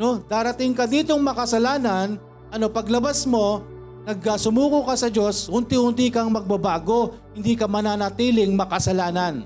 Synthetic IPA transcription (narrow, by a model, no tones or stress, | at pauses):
no̞d̪aːɾɐt̪ɪŋkɐd̪iːt̪o̞ŋmɐkɐsɐlaːnɐn | ʔɐno̞pɐɡlɐbasmo̞ | nɐɡ̚ɐsʊmuːkʊkɐsɐd͡ʒo̞shʊnt̪ihʊnt̪iːkɐŋmɐɡ̚bɐbaːɡo̞ | hɪnd̪iːkɐmɐnaːnɐt̪iːlɪŋmɐkɐsɐlaːnɐn